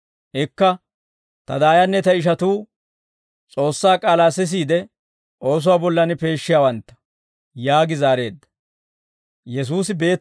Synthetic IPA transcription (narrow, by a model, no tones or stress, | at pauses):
ʔɪkːɐ | t̪ɐd̪aːjɐnːɛt̪ɐɪʃ̬ɐt̪uː | t͡sʼo̞ːsːaːkʼaːlaːsɪs̬iːd̪ɛ | ʔo̞ːs̬ʊwaːbɔlːɐnɪpe̞ːʃːɪjaːwɐnt̪ːɐ̥ | jaːɡɪzaːɾe̞ːd̪ːɐ̥ | jɛs̬uːsɪbe̞ːt̪